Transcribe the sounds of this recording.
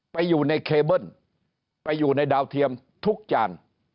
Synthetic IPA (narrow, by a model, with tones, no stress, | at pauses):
pa˧jzu˨˩na˧jkʰe˧ɓə˧˥˩n | pa˧˩jzu˨˩na˧jɗaː˧wt̪ʰi˧əm | t̪ʰu˦˥k̚t͡ɕa̰ː˧˩n